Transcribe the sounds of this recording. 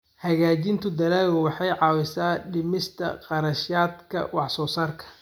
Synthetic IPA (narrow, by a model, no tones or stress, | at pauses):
hɐɣaːt͡ʃɪnt̪ʰʊd̪ɐlaːɣʊwɑħɑjʕɑːwɪsaːɖɪmɪst̪ʰɐ̰qɑɾɐʃaːd̪kʰɐ̰wɑħsɔːsaːrkʰɐ̥